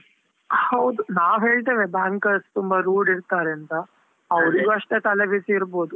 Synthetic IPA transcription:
hɐwd̪unaːʋɦeːɭt̪̬eːʋebaːŋkɐɾst̪umbɐɾuːɖiɾt̪aːɾent̪ɐː | ʋɾiɡuɐʂʈ̪et̪ɐleʋisiːɾbo̞ːd̪u

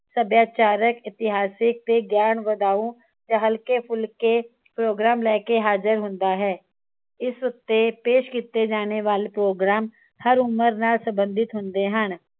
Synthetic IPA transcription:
səbjaːt͡ʃaːɾəkɪt̪ɪɦaːsɪk̚t̪eɡjaːnʋɐd̪aːũ | d͡ʒəɦəlkepʰʊlke | pɾoːɡɾaːmlɛːkeɦaːd͡ʒəɾɦʊ̃nd̪aɦɛː | ɪsɾʊt̪ːepeːʃkiːt̪ːed͡ʒaːneʋaːlepɾoːɡɾaːm | hɐɾʊməɾnasɐ̃mbə̃nd̪ʱɪt̪ɦʊ̃nd̪eɦən

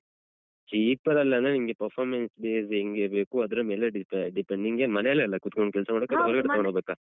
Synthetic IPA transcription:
t͡ʃiːpɐɾɐlːɐɐnt̪ɾeiŋmɡepɐɾpʰaːɾmensbeːseŋɡeːbeːkuɐd̪ɐɾɐmeːleɖipeɖipeɳniŋɡemɐnɛɐlːɐɐlːɐkut̪ːukoɳɖ̚kɛlsɐmaːɽkɐɽɐʋɐɾɡɐɽtɐkɳɽobeːka

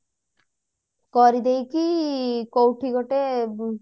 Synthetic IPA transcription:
kɔɾid̪ejkikowʈʰiɡɔʈe

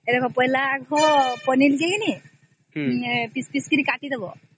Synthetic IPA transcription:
ed̪ekʰɔpɔjlaːɡɔpɔnilkeɦini | pispiskiɾikaʈid̪ɔbɔ

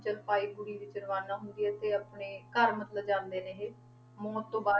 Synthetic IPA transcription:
t͡ʃəɾpaːiːbʊɽiːʋɪt͡ʃənʋaːnaːɦʊnd̪iːɛːt̪eːaːpɳeːkəɾmət̪ləbd͡ʒãːnd̪eːnẽːɦeː | moːtt̪ːõːbaː

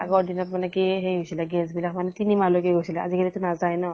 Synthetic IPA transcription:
a̰ɡɔɔɖinɔtmanɛkiɦejɦojsilaɡɛs̬bilak̚manɛt̪inimalokeɦojsilaazikʰalit̪unazajnɔ

